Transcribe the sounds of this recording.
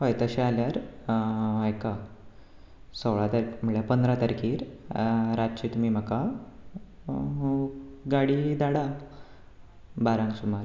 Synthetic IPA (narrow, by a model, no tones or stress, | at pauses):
pəjt̪əɕealjaɾ | ajka | sowɭat̪əɾm̤əɭjapənd̪ɾat̪əɾkiːɾ | ɾat̪t͡ɕiːt̪umiːm̤əka | ɡaɽid̪aɽa | baɾãŋɡsumaɾ